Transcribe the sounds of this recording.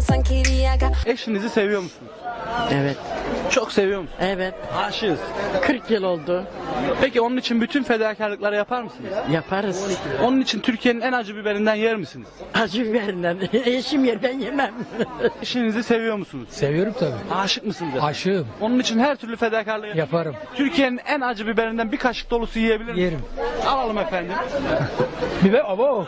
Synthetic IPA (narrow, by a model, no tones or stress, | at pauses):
sancʰejɾijjaɡaeʃinizise̞vijo̞ɾmusunuz̥ɛvɛt̪t͡ʃʰo̞kse̞vijo̞ɾmusuɛvɛt̪̚haːʃɯɯz̥kʰɯɾkjilʲˠo̞lˠd̪ʊpʰecio̞nunit͡ʃʰinbyt̪ʰynfe̞d̪aːcʰaɾlˠɯklˠaɾɯjapʰaɾmɯsɯnɯzjapʰaɾɯzniio̞nunit͡ʃʰint̪ʰyɾcʰije̞ninænad͡ʒɯbibe̞ɾind̪ænjæɾmisɯniz̥ad͡ʒɯbibeɾind̪æneʃimjeɾd̪ænjemæmeʃinizise̞vijoɾmusunuzsevijoɾumt̪ʰabḭːaːʃɯk̚mɯsɯnɯzaʃɯmo̞nunit͡ʃʰinhæɾt̪ʰyɾlʲyfe̞d̪aːcʰaɾlˠɯjapʰaɾɯmt̪ʰyɾcʰije̞ninænad͡ʒɯbibe̞ɾind̪ænbikʰaʃɯ̥k̚d̪o̞lˠusujije̞bilʲiɾjeɾimalˠalˠɯmefænd̪im | bibɛabo